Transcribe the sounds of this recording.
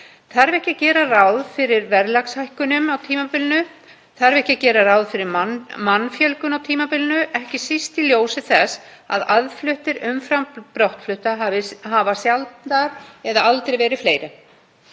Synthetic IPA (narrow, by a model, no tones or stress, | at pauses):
θaɾvɛhcacɛːɾarawðfɪɾɪɾvɛɾlakshajhkʏnʏmawt̪ʰiːmapɪlnʏ | θaɾvɛhcɪacɛːɾaɾaːwðfɪɾɪɾmanfjɛlkʏnawt̪ʰiːmapɪlnʏʔɛhcɪsist̪iljoːwsɪθɛs | a̰ðaðflʏht̪ɪɾʏmfɾampɾowht̪flʏht̪aɦavɪhaːvasjalt̪̚naɾɛðaalt̪ɾejvɛːɾɪfleːjɾɪ